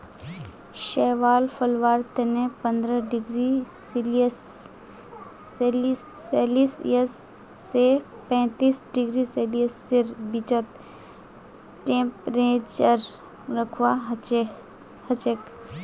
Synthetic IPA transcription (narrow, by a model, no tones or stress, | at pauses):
ʃɛːʋaːlfəlʋaːɾt̪enepə̃nd̪ɾəɖɪɡɾi | sls | liːeːliːsḭəsːe | pɛ̃ːt̪iːsɖɪɡɾiseliəsːɪɾbɪt͡ʃət̪ | ʈẽːmpɾẽːt͡ʃəɾ | ɾəkʰwa | hət͡ʃək